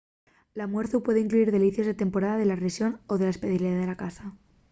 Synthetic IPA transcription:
lamwe̞ɾθupwe̞ðeiŋkluiɾðe̞liθjo̞zðe̞t̪e̞mpo̞ɾaðaðelaresjo̞noðe̞laespeðiliaðe̞lakasa

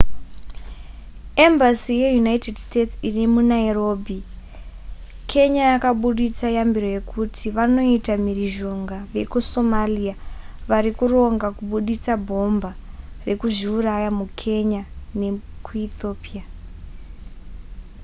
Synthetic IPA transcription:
e̞mbasije̞junaite̞dstett͡sirimunairo̞ːbʱi | kʰe̞ɲajakaɓuɗit͡sajambiro̞je̞kʰutʰiʋano̞itamiɾiʒo̞ŋɡaʋe̞̰kuso̞malia | ʋaɾikuro̞ŋɡakuɓuɗit͡sabʱo̞mbare̞kuʒiurajamukʰe̞ɲane̞kuito̞ːpia

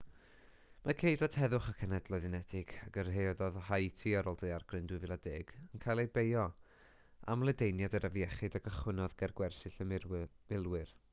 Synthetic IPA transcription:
makʰejdwad̥hɛðʊχakʰənɛdlˠɔðɪnɛdɪɡ̥aɡərɦejðɔðhajtʰiaɾɔːlˠdəarɡ̥rɨndɨvɪlˠadeːɡ̥ənkʰajlˠejbejɔ | a̰mlˠədejnjadəɾʔəvjɛχɪɨdaɡəχwɪnɔðɡɛrɡwɛrsɪɬəmɪlˠwɨr

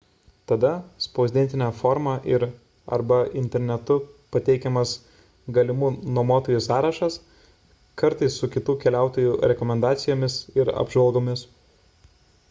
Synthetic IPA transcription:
t̪ɐd̪ɐspoːzʲd̪ʲɛnʲt̪ʲɪnʲɛːfoːɾmɑːʔɪɾ | ɐ̰ɾbɐɪnʲt̪ʲɛɾʲnʲɛt̪ʊpɐt̪ʲɛɪkʲɛmɐs | ɡɐlʲɪmuːnoɔmoːt̪oːjusɑːɾɐʃɐs | kɐɾt̪ɐɪsːʊkʲɪt̪uːkʲɛlʲæˑʊt̪oːjuːɾʲɛkɔmʲɛnd̪ɑːt̪sʲɪjoːmʲɪsɪɾɐ̰bʒʋɐlˠɡoːmʲɪs

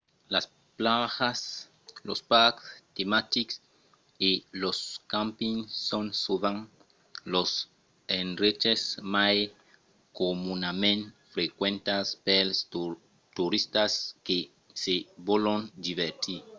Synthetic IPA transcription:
las | plaɣas | lospakst̪emat̪iks | iloskãmpiŋːõnsuβãŋ | los | enret͡ʃesmaj | komunamẽnfɾekwẽnt̪aspels | t̪uɾist̪aske | seβolõnd̪iβeɾt̪iɾ

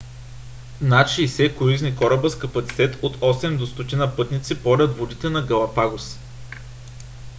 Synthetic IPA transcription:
nat͡ʃiːsɛkʊɾiznikɔɾɐbəskɐpɐt̪si̥t̪ɛt̪ot̪ɔsɛmd̪ost̪ot̪inəpɤt̪nit̪sipɔlʲɐt̪vod̪it̪ɛnɐɡɐlˠɐpaɡos

